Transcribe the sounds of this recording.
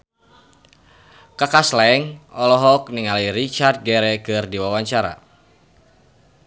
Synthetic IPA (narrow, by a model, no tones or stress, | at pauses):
kakaslɛŋɔlɔɦɔk̚niŋaliɾit͡ʃard̪̚ɡɛɾɛkɨrdiwawaɲt͡ʃaɾa̰